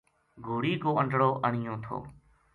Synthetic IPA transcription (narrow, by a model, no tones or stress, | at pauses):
ɡʱuːɽiːkoːəɳɖɽoːʔəɳ̤ɪjõːt̪ʰo̰ː